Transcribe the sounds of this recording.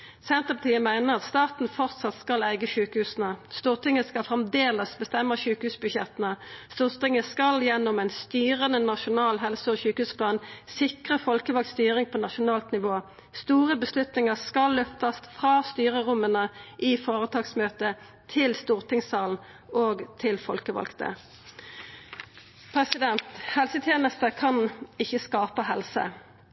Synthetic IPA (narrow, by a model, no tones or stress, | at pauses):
sɛnt̪əpɑt̪ʰiːəmæɪnəʁɑt̪st̪ɑːt̪n̩fɔʁt̪sɑt̪skɑlæɪɡəʃʉːkəhʉːsənəst̪uːʁt̪ɪŋəskɑlfʁɛmd̪eːləsbəst̪ɛmːəʃʉːkəhʉːsbʉʃjɛt̪ənəst̪uːʁt̪ɪŋəskɑljɛnːɔmæɪnst̪yːʁənənɑʃʊnɑːlɦɛlsəɔɕʉːkəhʉːspʰlɑːnsɪkʁəfɔlkəʋɑk̪st̪yːʁɪŋpʰɔːnɑʃʊnɑːlt̪nɪʋoː | st̪uːʁəbəslʉt̪nɪŋəʁskɑlːøft̪ɑst̪fʁɑːst̪yːʁəʁʊmənəʔiːfoːʁət̪ʰɑːɡsmøːt̪ə | t̪ʰɪlst̪uːʁt̪ʰɪŋsɑːln̩ | oːɡt̪ʰɪlfɔlkəʋɑ̰lkt̪ə̰ | pʰʁɛsɪd̪ɛnt̪hɛlsət̪ʰjeːnəst̪əkʰɑnɪçəskɑːpəhɛlsə̰